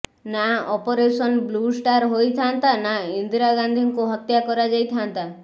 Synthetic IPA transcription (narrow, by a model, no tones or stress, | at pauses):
naɔpɔɾesɔnblusʈaɾɦojt̪ʰant̪anaind̪iɾaɡand̪ʱiŋkuɦɔt̪jakɔɾad͡ʒajt̪ʰant̪a